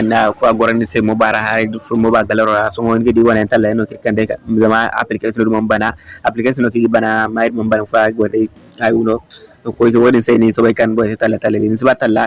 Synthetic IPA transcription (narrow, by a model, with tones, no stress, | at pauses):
nako˦aɡɔ˨ɾɛ˦nni˦se˦mo˦ba˨ɾa˨ha˦ɾifu˦mo˦ba˨ɡa˨lɛ˦ɾɔ˨ɾa˨sɔ̃˦ŋo˦nke˦di˦bɔ˦na˨ɛnta˦lːa˨e˦no˨ki˦kãnde˦a˨za˨maa̰˨plike˦sɔ˦no˦du˦mã˨mba˨na˦a˨plike˦s̬ɔ˦no˨ki˦ɡi˦ba˨na˨ma˦i˦mã˨mba˨na˨faɡɔ˨ɾe | a˨ju˦no˦ko˦i˦s̬wo˦dĩ˦nse˦nisɔ˦ba˦i˦kã˨n˦bɔ˦˨se˦ta˦lːa˨ta˨lːe˨li˨nĩ˦s̬i˦ba˦ta˦lːa˦